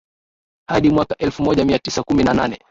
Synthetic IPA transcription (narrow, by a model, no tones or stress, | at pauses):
haɗimwakaʔɛlfumɔʄamiatisakuminananɛ